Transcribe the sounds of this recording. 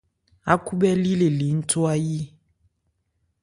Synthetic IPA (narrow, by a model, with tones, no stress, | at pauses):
a˦ku˦ɓɛ˦li˦le˨li˨˦n̩˦tʰo˦a˦ji˦